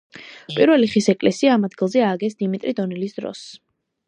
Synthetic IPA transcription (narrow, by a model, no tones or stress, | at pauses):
pʼiɾvɛliχisɛkʼlɛsiaːmad̪ɡilˠzɛaɡɛsd̪imit̪ʼɾid̪ɔnɛlisd̪ɾɔ̰s